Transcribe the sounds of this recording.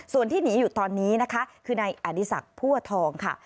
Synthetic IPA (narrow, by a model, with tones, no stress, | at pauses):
su˨˩ənt̪ʰiː˥˩niː˩˦juː˨˩t̪ɔː˧nːiː˦˥na˦˥kʰa˦˥kʰɯː˧na˧jʔa˨˩ni˨˦˥sa̰˨˩k̚pʰuː˥˩ɐt̪ʰɔː˧ŋkʰa̰˥˩